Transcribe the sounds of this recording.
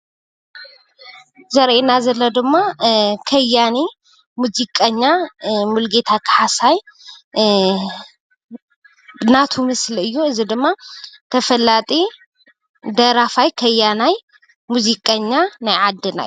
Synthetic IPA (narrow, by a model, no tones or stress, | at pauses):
zɐɾʔenazɐlːɐd̪ɨmːakʰɐjani | muzikʼɐɲːamulɡet̪ʰakʰħasaj | nat̪ʰumɨslɨjːuɨzid̪ɨmːat̪ʰəfɐlat̪ʼi | d̪ɐɾafajkʰɐjːanaj | muzikʼɐɲːanajʕad̪ːɨna̰